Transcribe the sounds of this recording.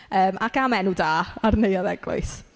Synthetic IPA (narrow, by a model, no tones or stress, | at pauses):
əːmakamɛnudaːarnejaðɛɡlˠʊ̰ɨs